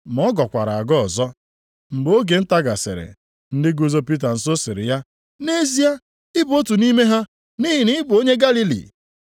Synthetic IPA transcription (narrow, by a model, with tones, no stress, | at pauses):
m˨ɔ˦ɡɔ˨kʷa˨ɾa˨a˨ɡɔ˦˨zɔ˦ | m̩˨ɡ͡bo˦ɡe˨n̩˦ta˦ɡa˨sɪ̰˨ɾɪ̰˨ | n̩˦dɪ˦ɡu˦zo˦pi˦t̬a˨n̩˨˦so˦sɪ˨ɾɪ̰˨ja˦ | ne˦zi˦a˦ | ɪ˦bo˦tu˨ni˦me˦ɦa˦ | ni˦ɦi˨ni˦bo˦ɲe˦ɡa˦li˦lḭ˨